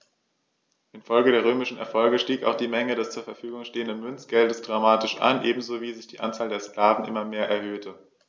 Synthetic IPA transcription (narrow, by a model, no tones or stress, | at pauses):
ʔɪnfɔlɡədeːɐʁ̞øːmɪʃn̩ɛ̰ɐfɔlɡəʃtiːka̰ʊxd̥iːmɛŋədɛst͡suːɐfɛɐfyːɡʊŋʃteːəndənmʏnt͡sɡ̥ɛldəsd̥ʁamaːtɪʃʔa̰nʔeːbm̩zoːviːzɪçd̥iːʔant͡saːldeːɐsklaːvn̩ʔɪmɐmeːɐʔɛɐhøːtʰə